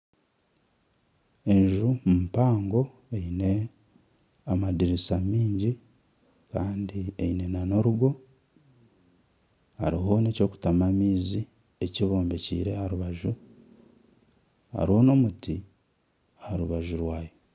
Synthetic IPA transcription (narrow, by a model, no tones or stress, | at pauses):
e̞ɲʒumumpaːŋɡo̞ | eine̞ | amadiɾisamiːɲɟi | kaːndieine̞nano̞ɾuɡo̞ | ha̰ɾiɦo̞ne̞co̞ːku̥tamamiːzi | eciβo̞ːmbe̞cḭːɾe̞haɾuβaʒu | a̰ɾio̞no̞muti | ahaɾuβaʒuɾwaːje